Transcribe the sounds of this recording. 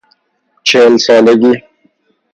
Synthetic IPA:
t͡ʃʰeːlsaːleɡiː

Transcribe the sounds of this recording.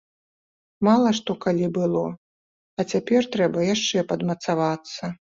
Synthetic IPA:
malˠɐʂt̪ɔkalʲibɨlˠɔ | ɐt͡sʲapʲɛrt̪ɾɛbɐjaʂt͡ʂɛpɐd̪mɐt̪savat̪sːɐ

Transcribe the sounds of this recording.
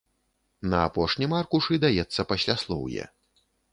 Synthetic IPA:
nɐapɔʂnʲimarkuʂɨd̪ajɛt̪sːɐpasʲlʲaslˠɔ̰wjɛ̰

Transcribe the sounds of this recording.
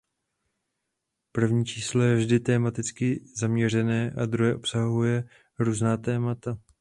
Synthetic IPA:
pr̩vɲiːt͡ʃiːslojɛvʒdɪt̪ɛːmat̪ɪt͡skɪzamɲɛr̝ɛnɛːʔad̪ɾuɦɛʔo̞psaɦujɛ | ɾuːznaːt̪ɛːmat̪a

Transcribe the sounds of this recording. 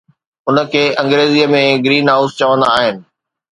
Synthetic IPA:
ʊnə̆kʰeːʔɐ̃ŋɡɾeːziːəmẽɡɾiːnɦaːʊst͡ɕɐʋə̃nd̪aːɦɪnɪ̆

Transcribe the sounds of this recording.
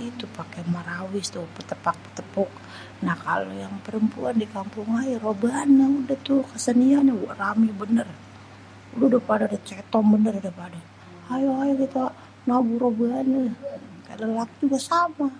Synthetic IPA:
it̪upakɛmaɾawɪst̪upət̪əpak̚pə̥t̪əpʊk̚ | nahka̰lojaŋpəɾəmpṵandikampuŋajarobəanaudat̪ukəsəniaɲawramibənər | ududapadadat͡ʃɛt̪ɔmbənərdapada | ajoajakit̪a | nabuɾobəanəka̰ləlak̚d͡ʒuɡasama

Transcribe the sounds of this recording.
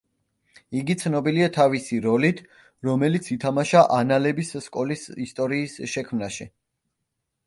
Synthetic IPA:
iɡit̪sʰnɔbiliat̪ʰavisiɾɔlit̪ʰ | ɾɔmɛlit̪sʰit̪ʰamaʃaʔanalɛbisskʼɔlisist̪ʼɔɾiːsʃɛkʰmnaʃi

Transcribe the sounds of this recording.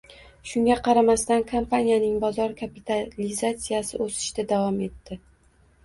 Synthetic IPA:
ʃʊŋɡʲaqʰɑɾamast̪ankʰampʰanʲijanɪŋbɒzɒɾkʰapit̪ʰalizat̪sijasɪʔosɪ̥ʃd̪ad̪avɒme̞t̪ːɪ

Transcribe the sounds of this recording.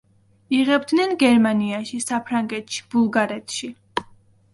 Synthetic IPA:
iʁɛbd̪nɛnɡɛɾmaniaʃisapʰɾaŋɡɛt̪ʃi̥b̥ulˠɡaɾɛt̪ʰʃi

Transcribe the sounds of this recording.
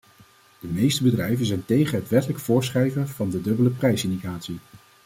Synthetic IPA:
d̥əmejstəbədrɛjvənzɛjntejχənɦətʋɛtələkfʊːɹsχrɛjvəv̥ɑndədɵbələprɛjsɪndiχaːtsi

